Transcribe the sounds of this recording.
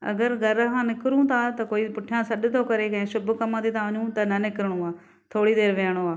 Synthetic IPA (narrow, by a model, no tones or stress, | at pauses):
ɐ̰ɡəɾɡʱɐɾɦãːnɪkɾũt̪ʰaːt̪ɐkoːipʊʈʰɪjãːsɐɗt̪ʰoːkɐɾekɐ̃ɦɪ̃sʊbʱkɐmãːt̪ʰiːt̪ʰaʋɐɲũt̪ɐnɐnɪkɾəɽ̃ũaː | t̪ʰoːɽid̪eːɾʋeːɽ̃oaː